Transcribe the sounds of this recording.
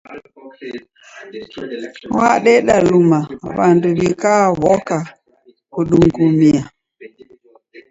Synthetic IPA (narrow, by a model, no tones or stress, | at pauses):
wa̰ɗɛɗalumaβanduβikaβɔka | kuɗuŋɡumia